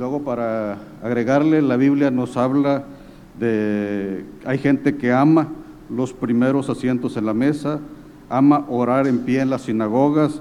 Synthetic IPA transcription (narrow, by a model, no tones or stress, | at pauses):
lweɣo̞paɾaː | ɣɾe̞ɣaɾle̞laβiβljano̞saβla | ðe | ajxe̞nt̪e̞keama | lo̞spɾime̞ɾo̞sasje̞nt̪ose̞nlame̞sa | amaʔoɾaɾe̞mpje̞ːnlasːinaɣoɣas